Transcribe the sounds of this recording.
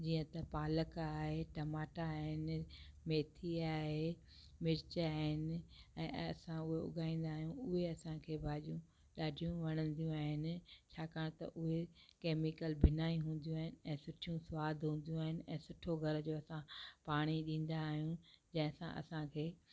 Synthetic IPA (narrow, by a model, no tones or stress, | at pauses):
d͡ʑiːə̃t̪ɐpaːləkaːɦeʈɐmaːʈaːɦɪnɪmeːt̪ʰiaːɦe | mɪɾɪt͡ɕaːɦɪnɪ̆ɛ̃ːɐ̰sãʊɦeʊ̰ɠaːĩːn̆d̪aːɦijũʊɦeɐsãkʰeːbʱaːʄijũ | ɗaːɖʱijũʋɐɽ̃ə̃nd̪ijũaːɦɪnɪ̆t͡ɕʰaːkaːɽ̃t̪ɐ̰ʔʊɦekeːmɪkəlbʱɪnaːĩɦũːn̆d̪ijũaːɦɪnɪ̆ɛ̃ːsʊʈʰijũsʋaːd̪ʱɦũːn̆d̪ijũaːɦɪnɪ̆ɛ̃ːsʊʈʰoɡʱɐɾd͡ʑoːɐsãpaːɽ̃iɗĩːn̆d̪aːɦijũd͡ʑɐ̃ɦɪ̃ɐsã̰ʔɐ̰sãkʰeː